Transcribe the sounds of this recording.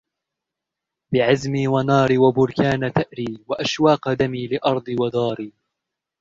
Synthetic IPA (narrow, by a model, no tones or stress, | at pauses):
bɪʕazmiːwanɑːɾwabʊɾkaːnat̪aʔɾiːwaʔaʃwɑːqd̪amiːlɪʔɑɾˤd̪ˤɨwad̪ɑːɾiː